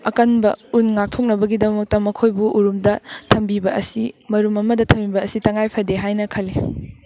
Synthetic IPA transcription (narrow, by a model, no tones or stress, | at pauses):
ɐkɐnbɐunŋak̚tʰok̚nɐbɐɡidɐmɐk̚tɐmɐkʰojbuʔuɾumdɐtʰɐmbibɐɐsimɐɾumɐmɐdɐtʰɐmːibɐːsitɐŋajpʰɐdeɦajnɐkʰɐlːi